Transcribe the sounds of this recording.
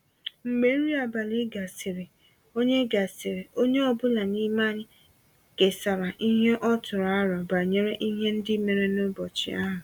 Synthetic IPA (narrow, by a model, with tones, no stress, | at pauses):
ŋ͡m̩˨me˦ɾi˦a˨ba˨li˦ɡa˨sɪ˨ɾe˨ | o˦ɲe˦ɡa˨sɪ˨ɾe˨o˦ɲe˦ɔ˦bʊ˦la˨ni˦ma˦ɲɪ˦ | ke˨sa˨ɾa˨ʔi˦ɦe˦ʔɔ˦tʊ˨ɾa˦ɾɔ˨ba˨ɲe˦ɾe˦ʔi˦ɦe˦n̩˦dɪ˦me˨ɾe˦no˦bɔ˨t͡ʃɪ̰˨a˦ɦʊ̃˨